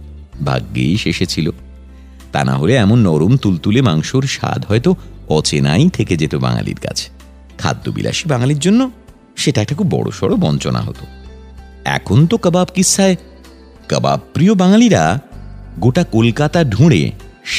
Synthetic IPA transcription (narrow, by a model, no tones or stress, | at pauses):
bʱa̰ɡːejʃeʃet͡ɕʰilo | t̪a̰na̰ɦoleɛmonːɔɾomt̪ult̪ulemaŋʃoɾʃa̰d̪ʱɦɔet̪oɔt͡ɕenajt̪ʰeked͡ʑet̪obaŋa̰lḭɾkat͡ɕʰe̥ | kʰa̰d̪ːobḭla̰ʃibaŋaliɾd͡ʑonːo | ʃeʈaɛk̚ʈakʰubbɔɽo̰ʃɔɽobɔnt͡ɕona̰ɦo̰t̪o̥ | ɛ̰kʰont̪okəbabkisːae | kəba̰bpɾiobaŋaliɾa | ɡoʈakolkat̪aɖʱũɽḛʃ